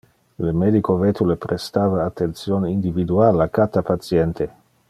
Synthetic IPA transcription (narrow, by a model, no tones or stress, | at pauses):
lemed̪ikovet̪ulepɾest̪aːvaːt̪ːent̪sjoːnind̪ivid̪uaːlakat̪apat̪sjɛnt̪ʰe